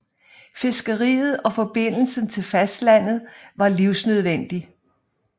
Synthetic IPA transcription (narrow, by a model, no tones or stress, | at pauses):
fe̝sɡ̥əʁḭːð̞̩ˠɒ̽fɒ̽b̥e̝n̰l̩sən̩t͡sʰe̝lfæsd̥læn̰ð̞̩ˠʋɑ̈liʊsnøð̞ˠʋen̰d̥i